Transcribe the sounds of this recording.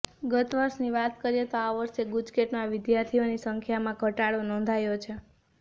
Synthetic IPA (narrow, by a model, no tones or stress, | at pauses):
ɡət̪ʋəɾʃniʋat̪kəɾijet̪oaʋəɾʃeɡud͡ʒkeʈmãʋɪd̪jaɾt̪ʰionisəŋkʰjamãɡʱəʈaɭonɔ̃nd̪ʱajot͡ʃʰe